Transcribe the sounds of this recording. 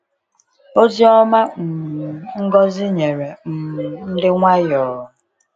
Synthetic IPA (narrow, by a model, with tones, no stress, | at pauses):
o˦zi˦ɔ˦ma˦m̩˨ŋ̩˦ɡɔ˦zɪ˦ɲe˨ɾe˨m̩˨n̩˦dɪ˦ŋʷa˦jɔ˨ʊ˨